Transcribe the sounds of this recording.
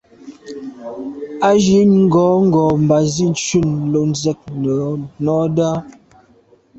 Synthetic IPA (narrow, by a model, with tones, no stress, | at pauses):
a˦ʒi˨˦ɲŋ̩˦ɡɔː˨˦ŋ̩˦ɡɔː˨m˨ba˨zi˦˨n̩˦t͡ʃu˦˨n̩˨lo˨n̩˨zɛ˦k̚nə˨nɔː˨˦da˦